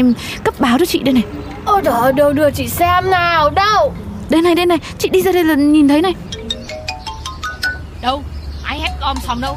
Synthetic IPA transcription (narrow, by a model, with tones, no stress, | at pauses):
mkə˦˥p̚ɓaː˨˦wt͡ɕɔ˨˦t͡ɕḭ˧˨ɗe˨˦nːa˨˩j | ʔə˨˧˩ɗɔ˨˦ɗə˨˧˩wɗɨ˨˩ət͡ɕḭ˧˨sɛ˧mnaː˨˩wɗə˧w | ɗe˨˧˦nːa˨˩jɗe˨˧˦nːa˨˩jt͡ɕḭ˧˨ɗi˧zaː˧ɗə˧jlaː˨˩ɲi˨˩nt̪ʰə˨˦jna˨˩j | ɗə˧wʔaː˧jhɛ˦˥t̚kɔ˧˩msɔ˨˦wŋ͡mɗə˧w